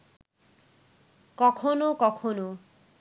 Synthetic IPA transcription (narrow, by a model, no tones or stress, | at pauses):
kʌkʰonokʌkʰono